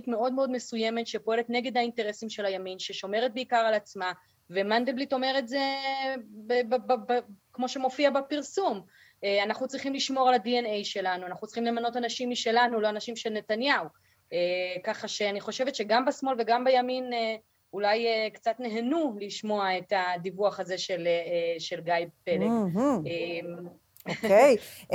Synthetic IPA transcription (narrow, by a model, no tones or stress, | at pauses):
itme̞o̞dmeo̞dme̞suje̞me̞tʃepo̞e̞letneɡe̞d̪hainteʁe̞simʃe̞lajaminʃeʃo̞me̞ʁet̚beikaʁalat͡sma | ve̞mand̪eblito̞me̞ʁetze | bbbbkmo̞ʃe̞mo̞fiabepiʁsum | eanaχut͡sʁiχimliʃmo̞ʁaladienejʃe̞lanuanaχut͡sʁi̥χimle̞mano̞tanaʃimiʃe̞lanulo̞anaʃimʃelne̞tanjau | ekaχaʃe̞aniχo̞ʃe̞vetʃeɡambasmo̞lve̞ɡambejamine | ulajekt͡satneɦenuliʃmo̞aetadivuaχaze̞ʃe̞leʃe̞lɡajb̚pːeleem | ej